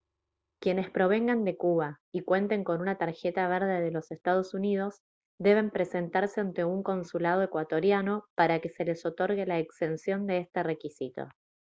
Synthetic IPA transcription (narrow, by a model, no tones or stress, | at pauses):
kje̞ne̞spɾo̞β̞e̞ŋɡand̪e̞kuβa | ikwe̞nt̪e̞ŋko̞nunat̪aɾxe̞t̪aβ̞eɾð̞e̞ðelo̞se̞st̪að̞o̞sunið̞o̞z | d̪e̞β̞e̞mpɾe̞se̞nt̪aɾseant̪e̞uŋko̞nsulað̞o̞e̞kwat̪o̞ɾjano̞paɾake̞se̞le̞so̞t̪o̞ɾɣe̞laekst̪e̞nsjo̞nd̪eest̪e̞re̞kisit̪o̞̰